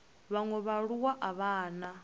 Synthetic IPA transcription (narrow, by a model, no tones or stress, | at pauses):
βaŋɔβaɺuwaʔaβaːna